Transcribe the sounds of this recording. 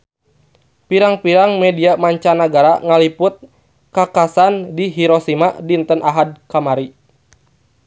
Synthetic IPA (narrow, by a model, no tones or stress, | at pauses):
piɾaŋpiɾaŋmɛdiamaɲt͡ʃanaɡaɾaŋalipʊt̪̚ | kakasandiɦiɾosimadint̪ənaɦad̚kamaɾi